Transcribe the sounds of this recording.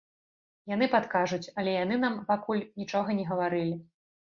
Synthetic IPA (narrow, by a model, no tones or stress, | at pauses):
jan̪ɨpat̪kaʐut͡sʲɐlʲɛjanɨnampakulʲnʲit͡ʂɔɣɐnʲɛɣɐvaɾɨlʲi